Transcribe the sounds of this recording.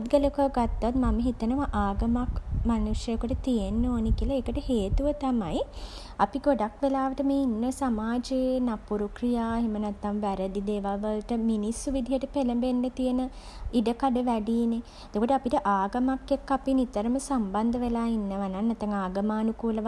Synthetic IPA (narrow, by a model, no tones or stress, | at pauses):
t̪ɡələkəɡat̪ːat̪maməɦit̪ənəʋaʔaːɡəmakmanusjəkuʈət̪ijenːoːnekiəlaeːkəʈəheːt̪uʋət̪amaj | apiɡoɖakʋelaːʋəʈəmeːinːəsamaːd͡ʒenapuɾukɾijaːeɦemənɛt̪ːamʋæɾəd̪id̪eːʋaʋəlʈəminisːuʋid̪ʱijəʈəpeləmbenːət̪ijenə | iɖəkaɖəʋæɖiːne | ed̪okoʈəapiʈəʔaːɡəmakːekːapinit̪əɾəməsamband̪əʋelaːinːəʋanaŋnɛt̪ːaŋaːɡəmaːnukuːləʋ